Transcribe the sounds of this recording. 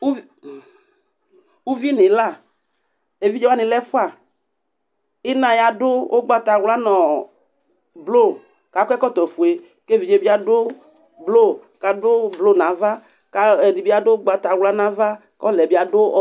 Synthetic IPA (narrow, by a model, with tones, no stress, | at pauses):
u˦ | u˦vi˦nẽ˨la˦˨ | e˨vi˦d͡ʒe˦wa˦nɪ̃˨lɛ˦fo˦a˨ | i˦nã˨ja˨dʊ˦ʔo˦ɡ͡ba˦t̪a˨wla˦nɔ̃˨ | blo˦˨ | ka˨kʷɛ˦kɔ˦t̪ɔ˨fu˨e˨ | ke˦vi˨d͡ʒe˨bi˦a˨dʊ˦ | blo˦˨ka˨dʊ˦blo˦nã˨˦va˦ | ka˨ni˨bi˦a˨dʊ˦ɡ͡ba˨t̪a˨wla˦nã˨va˦ | kɔ˦lɛ˨bi˦a˨dʊ˦